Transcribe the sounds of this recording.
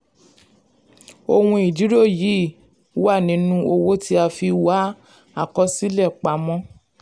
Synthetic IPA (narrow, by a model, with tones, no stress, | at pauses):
o˧wũ˧i˨d͡ʒi˨˦ɾo˦˨ji˨˦˨ | wa˦˨nĩ˨˦nũ˦o˧wo˦ti˦a˧fi˧wa˨˦ | a˦˨kɔ˨˧si˦lɛ˦˨k͡pa˨˦mɔ̃˦